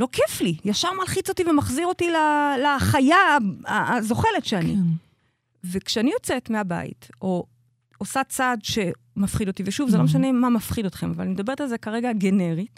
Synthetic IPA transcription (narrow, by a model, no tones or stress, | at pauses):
lo̞kʰeflijaʃaʁmalχit͡so̞tivemaχziʁo̞tilalaχajaazo̞χe̞le̞tʃeanḭ | ve̞kʃeanijo̞t͡setmeaba̰jḭto̞ | osat͡sadʃe̞ | mafχido̞tiveʃuvzelo̞meʃ̬ane̞mamafχido̞tχe̞mavalanimedabe̞talze̞kaʁe̞ɡaɡe̞ne̞ʁit